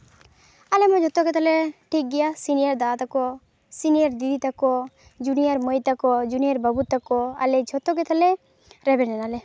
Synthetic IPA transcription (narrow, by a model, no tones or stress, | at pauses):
alɛmɔd͡ʒʱɔt̪ɔkɛt̪ʰalɛʈʰik̚ɡɛjasinijaɾd̪at̪akɔ | sinijaɾd̪id̪ʱit̪akɔ | d͡ʒunijaɾmɔjt̪akɔd͡ʒunijaɾbabut̪akɔa̰lɛd͡ʒʱɔt̪ɔkɛt̪ʰalɛ | ɾɛbɛnɛnalɛ